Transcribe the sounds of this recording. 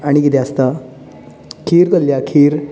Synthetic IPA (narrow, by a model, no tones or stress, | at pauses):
aɽ̃ikit̪east̪a | kʰiːɾt̪əlːjakʰiːɾ